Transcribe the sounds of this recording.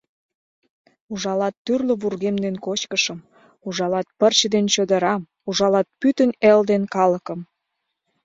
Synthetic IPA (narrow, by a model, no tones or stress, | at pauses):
uʒɑlɑt̪ːyrlə̆βurɣemd̪enkot͡ɕkəʃəm | uʒɑlɑt̪̚pərt͡ɕəd̪ent͡ɕød̪ə̆ɾɑm | uʒɑlɑt̪̚pyt̪əneld̪enkɑləkəm